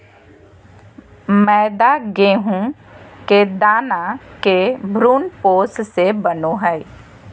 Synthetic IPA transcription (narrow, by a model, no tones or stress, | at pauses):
mɛːd̪aɡeːɦũked̪aːnakebʱɾuːnpoːssebənoɦɛɪ